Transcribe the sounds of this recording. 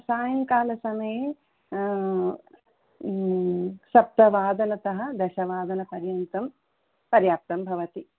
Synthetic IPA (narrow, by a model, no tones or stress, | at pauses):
saːjɐŋkaːlɐsɐmɐje | sɐp̚t̪ɐʋaːd̪ɐnɐt̪ɐɦɐ̆d̪ɛʃɐʋaːd̪ɐnɐpɐɾjɐnt̪ɐm | pɐɾjaːp̚t̪ɐmbʱɐʋɐt̪i